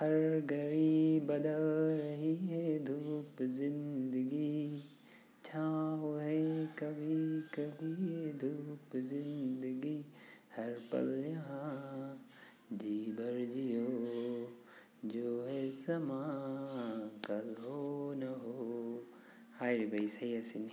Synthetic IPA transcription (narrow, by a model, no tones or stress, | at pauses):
hɐɾɡʱɐɾibɐd̪əlɾɐɦiɦɛd̪ʱuːpzɪ̃nd̪əɡi | t͡ʃʰaːɦoɦekɐbʱikɐbʱiɦed̪ʱuːpzɪ̃nd̪əɡihɐɾpɐ̰ljaɦ | d͡ʒiːbɐɾd͡ʒijoː | d͡ʒoːɦɛsɐmaː | kɐlɦonɐɦoː | haːɾibɐisɐiɐsin